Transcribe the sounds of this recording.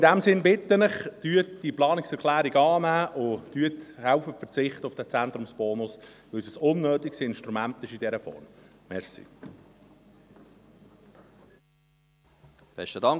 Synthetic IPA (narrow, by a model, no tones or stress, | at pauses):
ɪnd̪æmsɪnbɪt̪ːənɪχd̪̥yːətd̥iplɑːnɪksɛɾkʰlæːɾiɡɑːnæːʔʊd̥yət̪hæʊfəfəɾt͡sɪχt̪əʊfd̥æt͡sɛnt̪ɾʊmsb̥ɔːnʊsʋɪlsəsʊnːøːt̪iksɪnʃtɾumænt̪ɪʃid̪ɛɾəfɔ̰rm | mɛɾsḭ | b̥ɛ̰stədɑŋ